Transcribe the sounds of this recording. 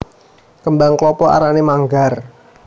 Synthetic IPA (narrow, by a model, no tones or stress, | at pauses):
kəmbaŋklɔpɔa̰ɾanemaŋɡar